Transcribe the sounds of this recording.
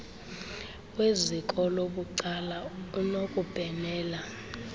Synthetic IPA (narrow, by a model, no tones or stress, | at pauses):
wezikʼɔloɓuǀalaunokʼub̥ʱɛnɛːla